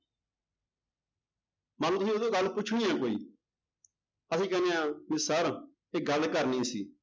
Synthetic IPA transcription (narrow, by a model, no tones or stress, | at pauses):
mãːlũːt̪ʊsĩːʊd̪oːɡəlpʊt͡ʃʰɽiːãːkoːḭː | əsĩːkɛneãːmɪsaːɾ | eːɡəlkəɾnĩːsḭː